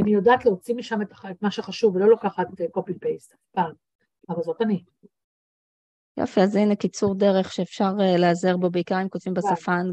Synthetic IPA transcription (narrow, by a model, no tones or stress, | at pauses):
anijodaːʔːtleot͡simiʃametaet̪maʃeχaʃuvelo̞lokaχat̪kopipejsafpaːm | avalzo̞tani | jo̰fiazinekit͡suʁdeʁe̞χʃeːfʃaʁleazeʁbo̞beikaʁimkotvimbesafan